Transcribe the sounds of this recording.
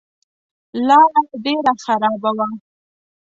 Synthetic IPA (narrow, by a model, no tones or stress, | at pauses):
lɑɾaɖeɾaxaɾɑbawa